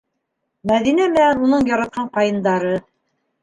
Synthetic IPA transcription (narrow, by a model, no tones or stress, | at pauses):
mæðinæmɘ̆nænunɤɴjɑɾɑt̪̚qʰɑɴqɑjɤ̆nd̪ɑɾɤ